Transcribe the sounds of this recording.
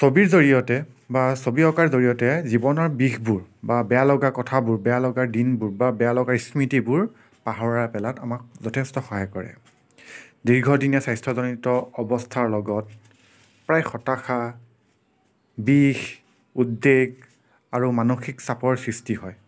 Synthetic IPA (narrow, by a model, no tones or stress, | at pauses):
sobiɹzoɹijɔtɛ | basobiɔkaɹzoɹijɔtɛzibɔnɔɹbixbuɹbabɛjalɔɡakɔtʰabuɹbɛjalɔɡaɹdinbuɹbabɛjalɔɡaɹismitibʊɹ | paɦɔɹapɛlatamak̚zɔtʰɛstɔxɔɦajkɔɹɛ̰ | diɹɡʱɔdinjasajstʰɹɔzɔnitɔːbɔstʰaɹlɔɡɔt̚ | pɹajxɔtaxa | bix | udːeɡ | aɹumanoxiksapɔɹsɹistihɔj